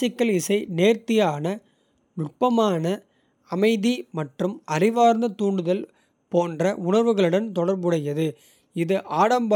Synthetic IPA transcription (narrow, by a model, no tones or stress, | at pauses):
ɪkːɐɭɪsɐɪneːɾt̪ɪjaːnɐ | nʊʈ̚pɐmaːnɐ | ɐmɐɪðimɐʈrɯmɐrɪʋaːɾnd̪ɐt̪uːɳɖɯðɐl | poːndrɐʊɳɐɾʋɯɣɐɭɯɽɐnt̪ɔɽɐɾbɯɽɐjɐðɯ | ɪðɯʔaːɽɐmbɐ